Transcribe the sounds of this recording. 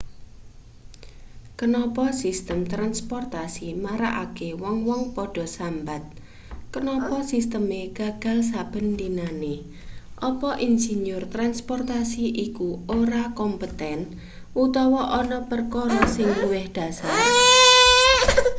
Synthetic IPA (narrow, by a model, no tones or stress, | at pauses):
kənɔpɔsist̪əmt̪ɾanspɔrt̪asimaɾaʔakewɔŋwɔŋpɔɖ̥ɔ̤sambat̪̚ | kənɔpɔsist̪əmeɡ̥a̤ɡ̥ä̤ls̬ab̥ə̤nd̪inane | ʔɔpɔʔinsiɲʊrt̪ɾanspɔrt̪asiʔikuoɾakɔmpət̪ɛn | ʔut̪ɔwɔʔɔnɔpərkoɾɔsɪŋluwɪhd̥a̤sar